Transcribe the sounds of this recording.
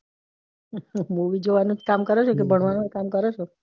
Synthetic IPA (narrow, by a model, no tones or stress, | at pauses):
muʋid͡ʒoʋanũkamkəɾɛʃok̬ebʱəɳʋanũekamkəɾɛʃo